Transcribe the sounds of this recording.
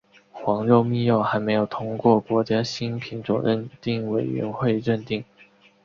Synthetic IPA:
xwɑ˧˥ŋɻo˥˧ʊmi˥˧jo˥˩ʊxa˧˥ɪme˧˥ɪjo˨˩ʊt̪ʰʊ˥ŋkwɔ˥˩kwɔ˧˥t͡ɕja˥ɕi˥npʰi˧˥nʈ͡ʂwɔ̰˨˩ɻə˥˧nt̪i˥˩ŋwe˨˩ɪɥɛ̰˧˥nxwe˥˧ɪɻə˥˧nt̪i˥˩ŋ

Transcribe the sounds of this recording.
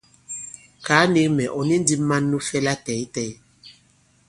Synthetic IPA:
kaː˨˦ni˦ŋmɛ˨ʔɔ˨nĩ˦n˦di˦mã˦nːũ˦fɛ˦la˦tɛ˨i˦tɛ˦j

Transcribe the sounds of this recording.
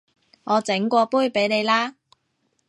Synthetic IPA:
ŋɔː˨˧t͡sɪ˨˥ŋkʷɔː˧puː˥jpe˨˥jne˨˧jlaː˥

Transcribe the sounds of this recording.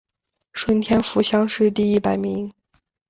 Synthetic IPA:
ʂwə˥nt̪ʰjɛ˥nfu˧˥ɕjɑ˥ŋʂɻ̩˥˧t̪i˥˧i˥˩pa˨˩ɪmi˧˥ŋ

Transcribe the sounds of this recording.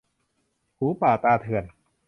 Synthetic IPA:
huː˨˩˦paː˨˩t̪aː˧t̪ʰɯ˨˩ən

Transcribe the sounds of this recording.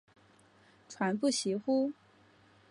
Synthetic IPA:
ʈ͡ʂʰwa˧˥np̬u˥˩ɕi˧˥xu˥

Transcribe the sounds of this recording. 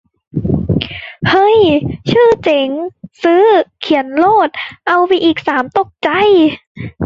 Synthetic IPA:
hɤ˧˥˩jt͡ɕʰɯː˥˩t͡ɕe˨˦ŋsɯː˦˥kʰi˨˩˦ənloː˥˩t̪̚ʔa˧wpa˧jʔiː˨˩k̚saː˩˦mt̪o˨˩k̚t͡ɕa˧˩j

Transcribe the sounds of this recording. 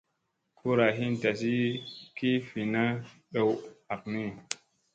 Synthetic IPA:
kʰu˦ɾa˨ɦi˦nta˨s̬i˦ki˦fi˨na˦ | ɗə˨wa˨k̚ni˦˨

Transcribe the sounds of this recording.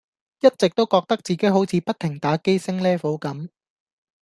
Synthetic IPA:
jɐ˥t̚t͡sɪ˨k̚t̪o˥wkɔː˧k̚t̪ɐ˥k̚t͡siː˨˩ke˨˥jɦo˨˥wt͡sʰiː˨˥pɐ˥t̪̚ʰɪ˨˩ŋt̪aː˨˥ke˥jsɪ˥ŋlɛː˥fo˨˥wkɐ˨˥m

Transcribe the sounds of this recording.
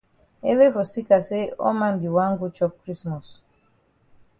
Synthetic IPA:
e˦le˦vɔ˨si˦ka˨se˦ɔ̰˦ma˦mbi˨wa˦ŋɡu˦t͡ʃɔ˦k̚kɾi˦smɔ˨s

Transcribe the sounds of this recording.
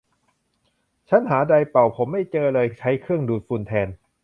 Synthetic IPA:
t͡ɕʰa˦˥nɦaː˩˦da˧jpa˨˩wpʰo˩˦mːa˥˩jt͡ɕɤː˧lɤː˧jt͡ɕʰa˦˥jkʰɯ˥˩əŋduː˨˩t̪̚fu˧nt̪ʰɛː˧n

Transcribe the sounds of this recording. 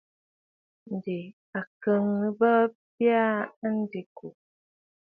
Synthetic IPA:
n̩˨de˨ | a˨kə˨˦ŋnə˨bə˦pja˦n̩˦di˨ku˨

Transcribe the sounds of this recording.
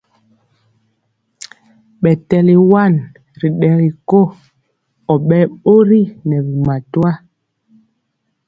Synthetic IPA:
ɓɛ˨tɛ˨li˨wa˦˨n | ɾi˨ɗɛ˨ɾi˨ko˦ | ɔ˨ɓɛ˦ɓo˦ɾi˦nɛ˨bi˨ma˨twa˦

